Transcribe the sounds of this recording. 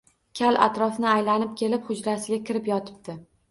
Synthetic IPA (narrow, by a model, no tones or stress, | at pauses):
kʲʰala̰t̪ɾɒfnɪajlanɪp̚kʲʰe̞lɪphʊd͡ʒɾasɪɡʲakʲʰɪɾɪpjɒt̪ʰɪ̥p̚d̪̥ɪ